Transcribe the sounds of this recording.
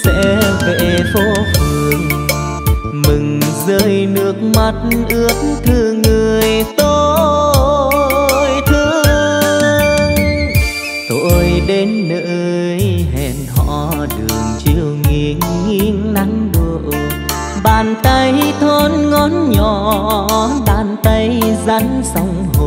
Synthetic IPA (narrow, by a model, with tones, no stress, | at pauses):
sɛ̰˧˥vḛ˧˨fo˧˦t̪ɨ˨˩əŋ | mɨ˨˩ŋzəː˧˦jnɨ˨˩ək̚ma˨˩t̚nʔɨ˧˥ət̚nt̪ʰɨ˧˩ŋɨ˨˩əjt̪o˧ | jt̪ʰɨ˧ | ŋ | t̪o˧˨˧jɗe˨˦nnəː˧˨˧jɦɛ̰˧˨˩nhɔ̰˧˨ɗɨ̰˨˩əŋt͡ɕi˧˩əwŋi˧˩əŋŋi˧əŋna˧˦ŋɗɨ˧˩w | ɓaː˨˩nt̪ə˧jt̪ʰɔ˧˦nŋɔ˨˦nɲɔ˨˩ | ɓaː˧˩nt̪ə˧jza˧˦ŋsa˧wŋ͡mɦo˨˩